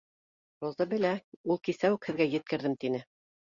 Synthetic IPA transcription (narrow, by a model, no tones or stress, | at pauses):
rozɑbɘ̆læulˠkisæwɘkhɘ̆ðɡæjɘ̆t̪̚kɘ̆ɾðɘmt̪inɘ